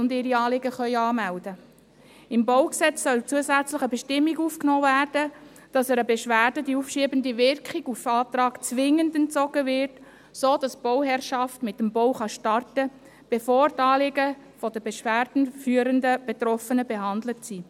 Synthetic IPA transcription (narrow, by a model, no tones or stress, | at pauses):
ʊndɪɾiɑːlɪɡəχœʏɑːmældə | ɪmbɔʊksɛt͡sːœlt͡suəsæt͡sləχəbɛʃtɪmːiɡuːfknoːvæːrd̥ə | d̥ɑsɛɾəbeʃʋæːɾrd̥ədiufʃiəbəndiʋɪrkχiɡufɑːtrɑːkt͡sʋɪŋːəndɛntt͡sɔɡ̥əvɪrt | soːd̥ɑsb̥ɔʊɦɛɾʃɑftmɪtːmbɔwχɑʃtɑrtə | b̥efoːrtɑːlɪɡə | fɔdəbeʃʋæːrd̥n̩fyːəɾəndəb̥etɾɔfənəbeɦɑndlətsi